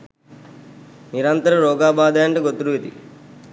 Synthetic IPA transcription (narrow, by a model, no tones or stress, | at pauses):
niɾɐnt̪ɐɾɐɾɔːɡaːbaːd̪aːɐɳʈɐɡot̪ːuɾuʋit̪ḭ